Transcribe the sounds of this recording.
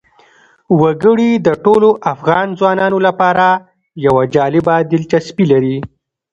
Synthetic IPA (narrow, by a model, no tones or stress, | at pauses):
waɡəɽid̪əʈoloʔafɣɑnzwɑnɑnolapɑɾa | jawad͡ʒɑlɪbad̪ɪlt͡ʃaspilaɾi